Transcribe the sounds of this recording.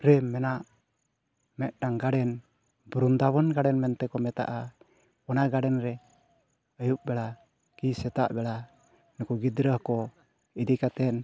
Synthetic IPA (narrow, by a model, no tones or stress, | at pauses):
ɾɛmɛnaʔ | mɛʔ̪̚daŋɡaɽɛn | bɾund̪aβɔnɡaɽɛnmɛnt̪ɛkɔmɛt̪a̰ʔa | ɔnaɡaɖɛnɾɛ | əjuʔ̚bɛla | kisɛt̪aʔbɛla | nukuɡid̪ɾəhkɔ | id̪ikat̪ɛn